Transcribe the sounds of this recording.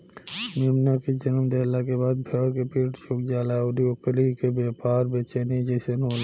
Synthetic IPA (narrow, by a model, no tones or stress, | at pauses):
mimnaked͡ʒənəmd̪ɛlakebaːd̪̚bʱeɽkepiʈt͡ʃʰuk̚d͡ʒaːlaod̪iokːəlikebepaɾbet͡ʃenid͡ʒesənɦol